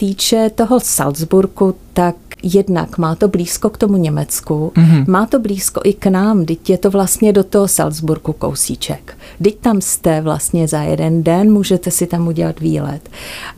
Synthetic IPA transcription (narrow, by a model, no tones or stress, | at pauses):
t̪iːt͡ʃɛt̪o̞ɦo̞sa̰lzbuɾkut̪akjɛdna̰kmaːt̪o̞bliːsko̞kt̪o̞muɲɛmɛt͡skumaːt̪o̞bliːsko̞̰ʔɪknaːmdɪcjɛt̪o̞vlast̪ɲɛdo̞t̪oɦosa̰lzbuɾkuko̰wsiːt͡ʃɛk | dɪc̚t̪amst̪ɛvla̰st̪ɲɛzajɛ̰dɛndɛnmuːʒɛt̪ɛsɪt̪amuɟɛlat̪vḭːlɛ̰t̪